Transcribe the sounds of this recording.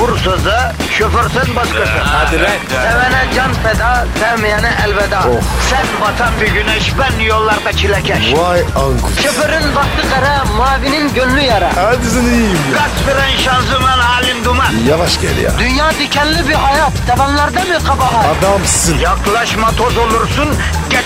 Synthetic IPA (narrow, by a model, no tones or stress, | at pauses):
buɾsɨzɨ | ʃøfɪɾsɨnbɑʃkɨsɨd̪ɛ | ɛwɛnɛd͡ʒɑnpɛd̪ɑsɛmjɛnɛʔɛlvɛd̪ɑosɛnbɑt̪ʰɑmbɪɡʲynɛʃbɛnnːɪjolˠːɑɾqɑt͡ʃʰilɛkʲʰɛʃwɑjɑŋkuʃøpøɾɪnvɑχt̪ɨqæɾɛ | mɑːvinɪnɡʲønlyjɑɾɑɑd̪ɪzɪnɪɡ̥ɑt͡ʃbɪɾɛnʃɑnzɨmɑnɑːlˠɪmd̪umɑjɑvɑʃkʲʰɛ̰l̰j̰d̪ynjɑːd̪ekʲʰɛnlɪbɪɦɑjɑt̪sʰɛvɑnlˠɑɾd̪ɑmɨqʰɑbɑɦɑɑd̪ɑmssɨnjɑqlˠɑʃmɑt̪ʰozolˠuɾsun | ɡʲɛ